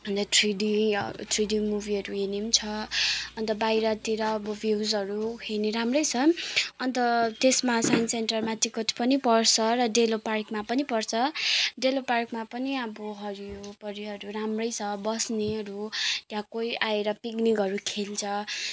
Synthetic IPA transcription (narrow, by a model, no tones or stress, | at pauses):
ʌnt̪ʌt̪ʰriɖiʌ̰t̪ʰriɖimubʱiʌɾuɦenimt͡sʰʌʌnt̪ʌbajɾʌt̪iɾʌːbʌbʱjiwzʌɾuɦeniɾamrʌjt͡sʰʌʌnt̪ʌt̪esmasajnseɳʈʌrmat̪ikʌt̪ʰpʌnipʌrt͡sʰʌɾʌɖeloparkmapʌnipʌrt͡sʰʌɖeloparkmapʌniʌbʌɦʌɾijopʌɾiʌɾuɾamrʌjt͡sʰʌbʌsneɦʌɾut̪jãkojʔaeɾʌpiknikʌɾukʰelt͡sʰʌ